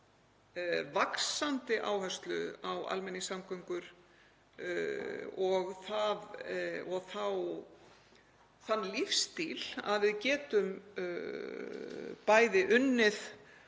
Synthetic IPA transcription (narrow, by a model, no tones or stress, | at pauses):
vaksant̪ɪʔa̰ːwhœ̥st̪lʏ̰awa̰lmɛnːɪsamkœɥŋkʏɾ̥ | ɔɣθaðɔɣθaw | θanːlifst̪ila̰ðvɪðcɛːt̪ʏm | paːjðɪʔʏnːɪð